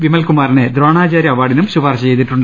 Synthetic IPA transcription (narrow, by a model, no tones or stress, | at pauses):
ʋimɐlkumaːɾined̪ɾoːɳaːt͡ɕaːɾjɐʋaːɽinumɕubaːrɕɐt͡ɕejt̪iʈːuɳɖ